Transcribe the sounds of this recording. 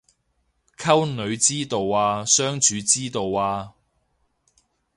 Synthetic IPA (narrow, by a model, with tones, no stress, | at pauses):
kʰɐ˥wnɵ˨˧ɥt͡siː˥t̪o˨waː˧sœː˥ŋt͡ʃyː˨˧t͡siː˥t̪o˨waː˧